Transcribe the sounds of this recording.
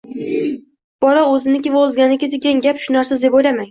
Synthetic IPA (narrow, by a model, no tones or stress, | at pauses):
b̥ɒlaɵzɪnɪkʲɪvaozɡʲanɪkʲɪd̪ɪɡʲanɡʲapʃʊnaɾsazd̪e̞pojlamaŋ